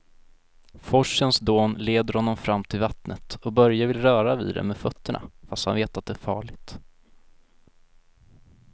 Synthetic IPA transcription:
fɔʂənsd̪oːnleːd̪əɾhɔnːɔmfɾamːt̪ʰɪlvat̪nət̪ɔbœɾjavɪlɾœːɾavḭːd̪d̪ɛ̰meːfœt̪ʰːəɳa̰fast̪hanveːt̪at̪̚d̪ɛːɾfɑːɭɪɡt̪

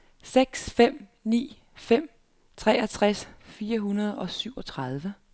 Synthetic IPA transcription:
seɡ̥sfem̰nḭː | fem̰ | t͡sʰʁɛ̰ːɐt͡sʰʁasfiːɐɦunɐð̞ˠɒ̽syʊ̰ɒ̽t͡sʰʁɑð̞ˠʋə

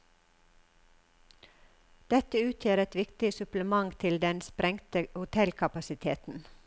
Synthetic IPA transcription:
d̪̥ɛt̪əʉːt̪ʰjeːɾɛt̪ʋɪkt̪ɪsʉpləmɑŋt̪ʰɪld̪ɛnspɾɛŋt̪əhʊt̪ʰɛlkʰɑpɑsɪt̪ʰḛːt̪n̩

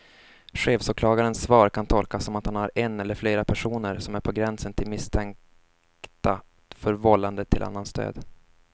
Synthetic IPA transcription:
ɧeːfsʊːkʰlɑːɡaɾənsvɑːɾkʰant̪ʰɔlkasɔmat̪hanhaɾɛnɛlːəɾfleːɾapʰæʂuːnəɾsɔmæɾpʰɔɡɾɛnsənt̪ʰɪlmɪst̪ʰɛŋ | kt̪a | fœɾvɔlːand̪ət̪ʰɪlʔa̰nːanst̪ø̰ːd̪

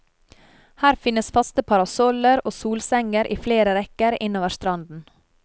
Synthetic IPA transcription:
hæːɾfɪnəsfɑst̪əpʰɑɾɑsɔləɾoːsuːlsɛŋəɾʔḭːfleːɾəɾɛkəɾɪnoːʋəst̪ɾɑnd̪n̩

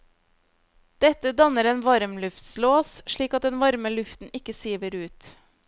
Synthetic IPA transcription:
d̪̥ɛt̪əd̪ɑnəɾeːnʋɑɾmlʉft̪sloːsʃɭiːkɑt̪̚d̪ɛnʋɑɾməlʉft̪n̩ɪkəsiːʋəɾʉːt̪

